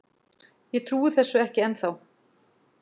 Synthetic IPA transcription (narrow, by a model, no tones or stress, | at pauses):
jɛt̪ʰɾuːʏθɛsːʏɛhcɪɛnθaw